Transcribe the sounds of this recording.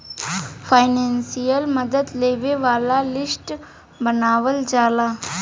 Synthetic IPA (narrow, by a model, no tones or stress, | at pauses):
fajnensijəlməd̪ət̪leʋeʋalalisʈ | bənaʋəld͡zala